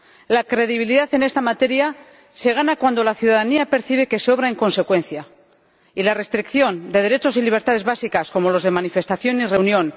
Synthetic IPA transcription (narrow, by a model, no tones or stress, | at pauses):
lakɾe̞ðiβ̞iliðaθe̞ne̞st̪amat̪e̞ɾja | se̞ɣ̞anakwand̪o̞laθjuðaðaniape̞ɾθiβ̞e̞ke̞seo̞β̞ɾae̞ŋko̞nse̞kwe̞nθja | ilare̞st̪ɾikθjo̞nd̪e̞ð̞e̞ɾe̞t͡ʃo̞siliβ̞e̞ɾt̪að̞e̞zβasikasko̞mo̞lo̞zð̞e̞manife̞st̪aθjo̞nire̞unjõ̞n